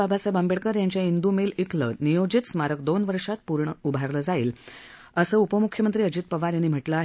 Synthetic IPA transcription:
abʱasabambeɽkəɾjaɲt͡ɕjaind̪umiːlit̪ʰlə̰nijod͡ʑit̪smaɾək̚d̪onʋəɾʂat̪̚puɾɳəubʱaɾləd͡zaḭːl | əsəːupəmukʰjəmənt̪ɾiːəd͡ʑiːt̪̚pəʋaɾjanːiːm̤əʈləaɦe

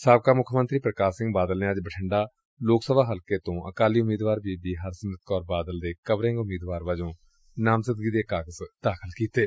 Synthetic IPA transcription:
saːb̚kaːmʊkʰmənt̪ɾiːpɾəkaːsɪŋɡbaːd̪əlneːəd͡ʒbəʈʰəɳɖaː | loːksəbaːɦəlkeːt̪õːʔə̰kaːliːʊmiːd̪ʋaːɾbiːbiːɦəɾsənət̪̚kɔːɾbaːd̪əld̪eːkəʋɾẽŋɡʊmiːd̪ʋaːɾʋad͡ʒõː | naːmsəd̪̚ɡiːd̪eːkaːɡəsd̪̥aːkʰəlkiːt̪eː

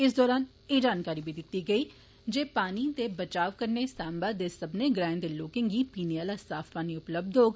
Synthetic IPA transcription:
ɪs̬d̪ɔːɾaːn | ed͡ʒaːnkaːɾibʱid̪ɪt̪ːiɡɐi | d͡ʒeːpaːnit̪ebɐt͡ʃaːʋkɐɾnesãːmbaːd̪esɐbneɡɾãːɪ̃nd̪eloːkẽŋɡipiːnejaːlasaːfpaːniʊpləb̚d̪ʱoːɡ

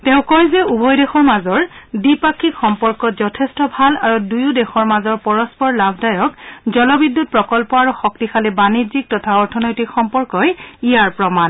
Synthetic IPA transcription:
tɛʊ̃kɔjzɛubɔjdexɔɹmazɔɹdipakʰːikxɔmpɔɹkɔzɔtʰestɔbʱalaɹudujudɛxɔɹmazɔɹpɔɹɔspɔɹlabʱdajɔkzɔlɔbidːut̚pɹɔkɔlpɔaɹuxɔk̚tixalɛbanizik̚tɔtʰaɔɹtʰɔnɔjtikxɔmpɔɹkɔjijaɹpɹɔman

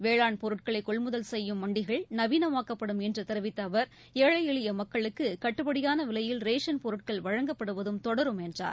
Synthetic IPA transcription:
ʋeːɭaːɳpɔɾɯʈ̚kɐɭɐɪkːɔɭmʊðɐlsɛjːɯmːɐɳɖɪɣɐɭnɐʋiːnɐmaːkːɐpːɐɽɯmɛndrɯt̪ɛɾɐʋɪt̪ːɐːʋɐɾ | eːɻɐɪɪɭɪjɐmɐkːɐɭɯkːɯkɐʈːɯpɐɽɪjaːnɐʋɪlɐjɪlɾeːʂɐnpɔɾɯʈ̚kɐɭʋɐɻɐŋɡɐpːɐɽɯʋɐðɯmt̪ɔɽɐɾɯmɛndra̰ːɾ

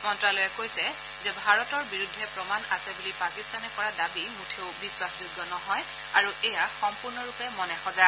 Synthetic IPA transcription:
mɔntɹalojɛkojsɛ | zɛbʱaɹɔtɔɹbiɹudʱːɛpɹɔmanasɛbulipakistanɛkɔɹadabimutʰeʊbiswaszuɡːɔnɔɦɔj | aɹuʔɛjaxɔmpʊɹnɔɹupɛmɔnɛxɔza

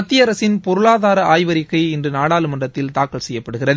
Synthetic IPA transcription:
ɐt̪ːɪjɐɾɐsɪnpɔɾɯɭaːðaːɾɐʔaːjʋɐɾɪkːɐɪɪndrɯnaːɽaːlɯmɐndrɐt̪ːɪlt̪aːkɐɭsɛjːɐpːɐɽɯɣɪrɐðɯ

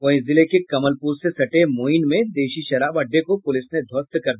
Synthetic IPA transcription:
ʋɐɦĩzɪlekekɐməlpuːɾsesɐʈemoːinmẽd̪eːʃiʃɐɾaːbɐɖːekopʊlɪsned̪ʱoːst̪kɐɾd̪i

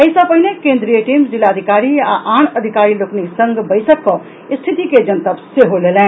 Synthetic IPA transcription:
ɐɪsapɐɦinekẽːnd̪ɾijeʈiːmd͡ʒɪlaːəd̪ʱɪkaːɾiaʔaːnəd̪ʱɪkaːɾiloːkniksə̃ŋɡbəɪsəkːɔ | st̪ʰɪt̪iked͡ʒənt̪apsjeɦoleːlẽː

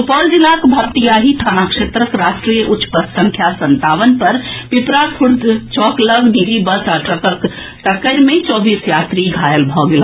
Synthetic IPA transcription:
upɔld͡ʒilakbʱəkt̪ijaɦiʈ̪ʰanakʂet̪ɾəkɾasʈɾijəʔutːt͡ʃːpətsə̃ŋkʰjasənt̪aʋənpəɾpipɾakʰuɾd̪t͡ʃɔkləɡniɾibəsaʈəkək | ʈ̪əkəɪɾmet͡ʃɔːbisjat̪ɾiɡʱajəlbʱɔɡel

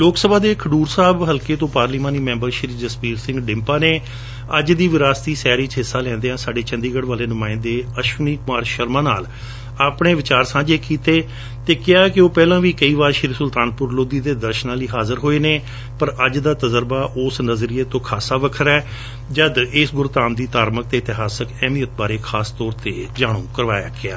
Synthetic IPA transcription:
loːksəbaːd̪eːkʰəɖuːɾsaːbɦəlkeːt̪õːpaːɾliːmaːniːmɛ̃ːmbəɾʃɪɾiːd͡ʒəspiːɾsɪ̃ŋɡɖɪ̃mpaːneː | əd͡ʒd̪iːʋɪɾaːst̪iːsɛːɾiːt͡ʃɦɪsːaːlɛ̃ːnd̪eːãːsaːɖeːt͡ʃə̃nd̪iːɡəɽʋaːleːnʊmãːɪ̃nd̪eːəʃʋəniːkʊmaːɾʃəɾmãːnaːl | aːpɳeːʋɪt͡ʃaːɾsãːd͡ʒeːkiːt̪eː | t̪eːkɪaːɛkɪoːpɛːlãːʋiːkəiːʋaːɾʃɪɾsʊlt̪aːnpʊɾloːd̪iːd̪eːd̪əɾʃənãːliːɦaːzəɾɦoːeːneː | pəɾəd͡ʒd̪aːt̪əzəɾbaːʔoːsnəzɾiːeːt̪õːkʰaːsaːʋəkʰəɾɛː | d͡ʒəd̪ɪsɡʊɾt̪aːmd̪iːt̪aːɾmək̚t̪eːɪt̪ɪɦaːsəkɛ̃ːmiːət̪̚baːɾeːkʰaːst̪ɔːɾt̪eːd͡ʒaːɽũːkəɾʋaːja̰ːɡɪa̰ː

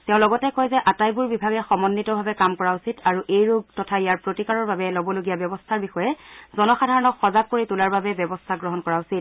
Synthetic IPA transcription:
tɛʊ̃lɔɡɔtɛkɔjzɛʔatajbuɹbibʱaɡɛxɔmɔnːitɔbʱabɛkamkɔɹausitaɹuʔejɹuɡtɔtʰaijaɹpɹotikaɹɔɹbabɛlɔbɔloɡijabɔbɔstʰaɹbixɔjɛzɔnɔxadʱaɹɔnɔkxɔzaɡ̚kːoɹitulaɹbabɛbɔbɔstʰaɡɹɔɦɔnkɔɹausit̚

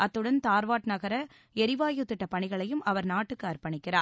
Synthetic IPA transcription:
ʔɐt̪ːɯɽɐnt̪aːɾʋaːʈnɐɣɐɾɐ | ɛɾɪʋaːjɯt̪ːɪʈːɐpɐɳɪɣɐɭɐjɯmɐʋɐɾnaːʈːɯkːɯɐɾpɐɳɪkːɪraːɾ

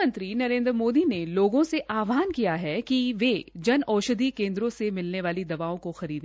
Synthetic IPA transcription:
ə̃nt̪ɾinɐɾẽːnd̪ɾəmoːd̪ineloːɡõseʔaːʋaːnkijaɦɛkiʋed͡ʒɐnɔːʃəd̪ʱikẽːnd̪ɾõsemɪlneʋaːlid̪ɐʋaːõkoxɐɾiːd̪

